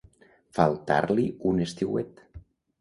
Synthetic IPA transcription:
falˠt̪a̰ɾliunest̪iwet̪

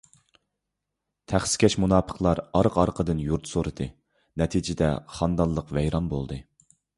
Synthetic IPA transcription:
t̪ʰæχskʲʰɛʃmunɑːpʰə̥qlˠɑɾɑɾqɑɾqʰəd̪ɨnjuɾt̪soɾɨd̪ɨ | nɛt̪ʰid͡ʒɪd̪ɛ̰χɑnd̪ɑlˠːəqvɛjɾɑnbolˠd̪ɨ

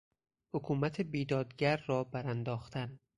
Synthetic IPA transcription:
hokʰuːmæt̪ʰebiːd̪ɒːd̪ɟæɾːɒːbæɾænd̪ɒːxt̪ʰæn

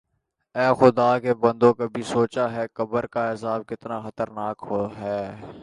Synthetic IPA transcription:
ɛːxʊd̪aːkebɐ̃nd̪õkabʱisoːt͡ʃaɦɛːkɐbəɾkaɪsaːb̚kɪt̪naxɐt̪əɾnaːkɦoɦɛː

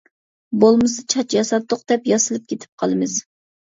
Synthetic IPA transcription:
bolˠmɨsɨt͡ʃʰɑt͡ʃjɑsɑt̪ːʊqd̪̥ɛpjɑsɨlˠɨp̚kʲʰet̪ʰɪ̥p̚qʰɑlˠɨmɨz̥

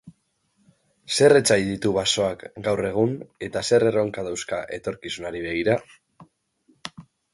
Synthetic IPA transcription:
se̞re̞t͡sajðit̪uβaso̞akɡawre̞ɣ̞une̞t̪ase̞re̞ro̞ŋkaðawskaʔe̞̰t̪o̞ɾkisunaɾiβ̞e̞ɣ̞iɾa

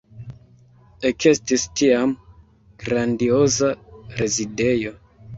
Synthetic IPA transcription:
e̞ke̞stistiam | ɡ̥ɾandio̞zaɾe̞zide̞jo̞

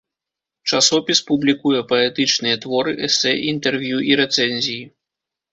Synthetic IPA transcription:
t͡ʂasɔpʲispublʲikujɛpɐɛt̪ɨt͡ʂnɨjɛt̪vɔɾɨʔɛsɛʔint̪ɛrvʲjuʔiɾɛt̪sɛnʲzʲiji

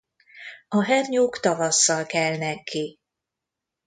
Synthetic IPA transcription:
ɒɦɛrɲoːkt̪ɒvɒsːɒlkɛlnɛkːi

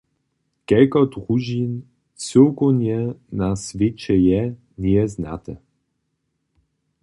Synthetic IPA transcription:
kɛlkɔd̪ʁuʒin | t͡søkonjɛnasvʲet͡ʃɛjɛ | niɛzna̰t̪ə

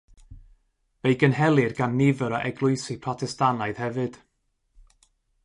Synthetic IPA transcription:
vejɡənhɛlˠɨrɡanːɪvəɾɔʔɛɡlˠʊɨsipʰrɔtʰɛstanaɨð̥hɛvɨd̥

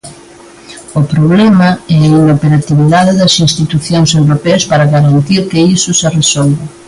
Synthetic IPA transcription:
ʊpɾoβlɛmɐɛainopeɾat̪iβiðaðɪðɐsinst̪it̪uθjoŋsewɾopeɐspaɾɐɣaɾant̪iɾkɪisʊseresɔlβa

